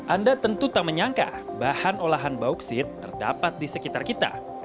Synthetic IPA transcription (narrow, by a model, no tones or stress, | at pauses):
ʔandat̪ənt̪ut̪aŋməɲaŋka̰bahanolaɦanbauk̚sɪt̪ːərda̰pat̪̚disəkit̪arkit̪a̰